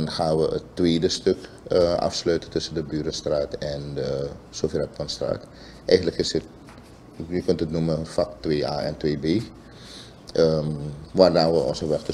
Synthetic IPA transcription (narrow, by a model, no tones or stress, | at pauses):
nχaːnʋəə̰tːʋeːdəstøk | əʔɑ̰fsløːtətʏsəndəbyːɾənstraːtɛndəsoːfərɛt̚kɔnstra̰ːt | ʔɛjχənləkɪsət̚ | jəkɵntətnuməfaktʋeːa̰ːɛ̰ntʋeːbeː | əʋaːrdaːʋəɔ̰nsəʋɛxtə